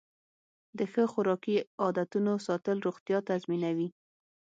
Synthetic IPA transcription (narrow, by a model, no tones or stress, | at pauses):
d̪əxəxʊɾɑkiɑd̪at̪unosɑt̪əlɾoɣt̪jɑt̪azminawi